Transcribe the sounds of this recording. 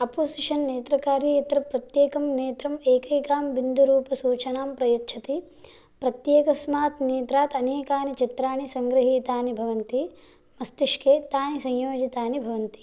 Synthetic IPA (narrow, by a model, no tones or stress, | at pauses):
ɐpoːsiʂɐnːeːt̪ɾɐkaːɾjɐjɐt̪ɾɐpɾɐt̪jeːkɐmneːt̪ɾɐmeːkɐjkaːmbind̪ʱuɾuːpɐsuːt͡ʃɐnaːmpɾɐjɐtːt͡ʃʰɐt̪i | pɾɐt̪jeːkɐsmaːt̪neːt̪ɾaːt̪ɐneːkaːnit͡ʃit̪ɾaːnisɐŋɡɾɐɦiːt̪aːnibʱɐʋɐnt̪i | mɐst̪iʂkeːt̪aːnisɐ̃ɲjoːd͡ʒit̪aːnibʱɐʋɐnt̪i̥